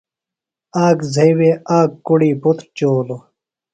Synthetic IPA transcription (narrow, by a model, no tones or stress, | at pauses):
aːɡzʱɐjweːaːkːuɽiːbut̪ɾt͡ɕoːlo